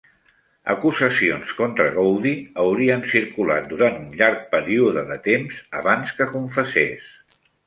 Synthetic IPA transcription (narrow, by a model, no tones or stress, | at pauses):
ə̰kuzəsionskont̪ɾəɣowðiəwɾiənsiɾkula̰t̪̚d̪uɾant̪unʎaɾk̚pəɾiuðəðət̪emzə̰βanskəkuɱfəsḛs